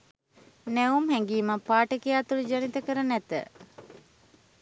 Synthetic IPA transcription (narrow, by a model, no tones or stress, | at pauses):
nɛumhæŋɡiːməpaːʈəkijaːt̪ulud͡ʒanit̪əkəɾənæt̪ə̰